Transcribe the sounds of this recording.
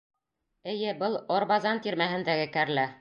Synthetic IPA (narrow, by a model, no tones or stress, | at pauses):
ɘ̆jɘbɤlˠoɾbɑzɑnt̪iɾmæɦɘ̆nd̪æɡɘkæɾlæ